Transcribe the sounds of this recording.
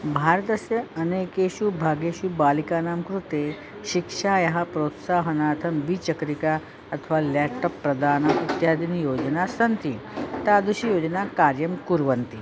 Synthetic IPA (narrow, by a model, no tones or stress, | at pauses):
bʱaːɾət̪əsjɐɐneːkeʃubʱaɡeɕubaːlikanaːmkɾut̪e | ɕikʂaːjɐɦapɾoːt̪saːɦɐnaːt̪ʰɐmʋit͡ɕəkɾika | ɐt̪ʰəʋalɛʈːəpːɾɐd̪ʱaːnɐit̪jaːd̪ʱinijoːd͡ʒənasənt̪it̪ad̪uɕijoːd͡ʒnakaɾjɐmkuɾʋənt̪i